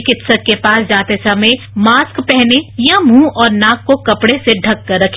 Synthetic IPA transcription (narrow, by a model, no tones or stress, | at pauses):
kɪt̪səkkːepaːsd͡ʒaːt̪esɐmẽ | maːskpɛɦnejãmũːʔɔːɾnaːkːokɐpɽeseɖʱɐkːɐɾːɐkʰ